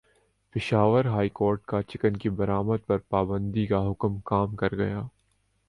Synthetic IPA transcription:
pɪʃaːʋəɾɦaːikoːɾʈkat͡ʃɪkənkibɐɾaːməd̪̚pɐɾpaːbə̃nd̪ikaɦʊkmkaːmkɐɾɡɐ̰jaː

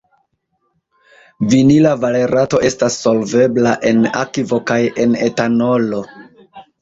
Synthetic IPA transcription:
vinilavale̞ɾʔato̞ʔe̞stasːo̞lve̞blaʔe̞na̰kivo̞kaje̞ne̞tano̞lo̞

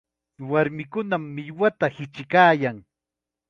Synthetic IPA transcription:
waɾmɪkʊnamːɪjwat̪ahɪt͡ʃɪkaːjaŋ

